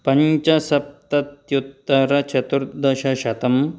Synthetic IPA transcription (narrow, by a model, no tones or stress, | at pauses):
pɐɲt͡ʃɐsɐp̚t̪ɐt̪jut̪ːɐɾɐt͡ʃʰɐt̪uɾd̪ɐʃɐʃɐt̪ɐm